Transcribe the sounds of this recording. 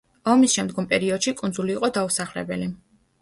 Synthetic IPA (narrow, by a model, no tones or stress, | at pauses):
ɔmisʃɛmd̪ɡɔmpʼɛɾiɔd̪̥ʃikʼund̪zuliːqʼɔd̪ausaχlɛ̰bɛli